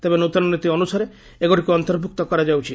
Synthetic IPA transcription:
t̪ebenot̪ɔnɔnit̪iɔnusaɾe | eɡoʈikuɔnt̪ɔɾbʱuk̚t̪ɔkɔɾad͡ʒawt͡ʃʰi

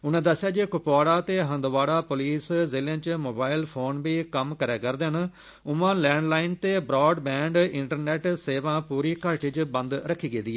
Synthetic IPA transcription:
ʊnẽːd̪əsːɪjaːd͡ʒeːkʊpaːɽaːt̪eːɦə̃nd̪ʋaːɽaːpʊliːszeːlãːt͡ʃmoːbaːɪlpʰoːnʋiːkəmkəɾɛːkəɾd̪eɦən | ʊmãːlɛːɳɖlaːɪnt̪eːbɾɔːɖbɛ̃ːɳɖɪ̃ɳʈəɾnɛːʈseːʋãːpuːɾiːkəɾʈɪd͡ʒbə̃nd̪ɾəkʰːiːɡeːd̪iːɛː

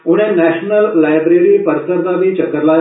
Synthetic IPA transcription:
uɽ̃ẽnæɕnəlːajbɾeɾipəɾsəɾd̪abit͡ɕəkəɾla

